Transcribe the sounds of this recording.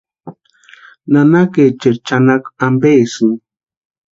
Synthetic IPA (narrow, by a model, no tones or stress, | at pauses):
nanaket͡ʃet͡ʃanakambesu